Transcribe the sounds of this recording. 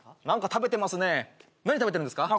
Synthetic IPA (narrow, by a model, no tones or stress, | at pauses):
nãŋkat̪abe̞t̪e̞masɨne̞ | naɲ̟it̪abeeɯ̟nd̪sɨ̥ka